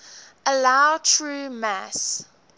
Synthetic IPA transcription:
əlaʊtʰɹuːmæs

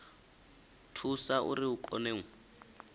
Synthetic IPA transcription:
tʰusaʔṵɾiukʼɔ̰neːŋ̩

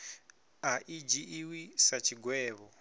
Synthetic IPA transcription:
aʔid͡ʒiʔːwisat͡ʃʰiɡwɛːβɔ

